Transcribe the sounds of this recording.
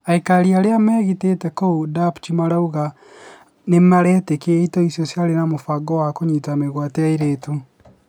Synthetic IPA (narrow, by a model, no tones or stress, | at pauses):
aikaɾiaɾeamɛɣitetɛkoudapt͡ʃimaɾauɣa | nemaɾɛtekeitɔisjɔsjaɾenamofaɡɔwakoɲitameɣwateaiɾetu